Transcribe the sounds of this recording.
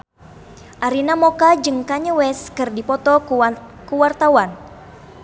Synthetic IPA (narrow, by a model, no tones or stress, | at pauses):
ʔaɾinamɔkad͡ʒɨŋkaɲəwɛskɨrdipɔt̪ɔkuwart̪awan